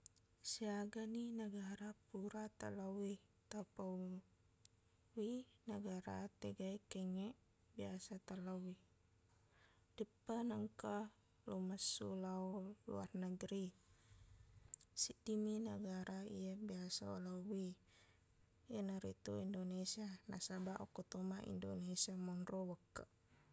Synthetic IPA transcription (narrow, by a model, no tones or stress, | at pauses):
siaɡaninaɡaɾapuɾat̪a̰lawit̪apa | winaɡaɾa̰t̪eɡaikɛŋɛʔ | biasat̪alawi | d̥əpːanaŋka | lomasːṵlaolṵa̰rnəɡɾi | sidiminaɡaɾʔaḭjabiasao̰lawi | ianaɾit̪uindonesianasabaʔokot̪omaʔḭndonesiamɔnrowəkːa